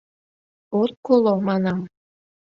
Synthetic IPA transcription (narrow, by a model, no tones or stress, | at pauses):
orkolˠomɑnɑm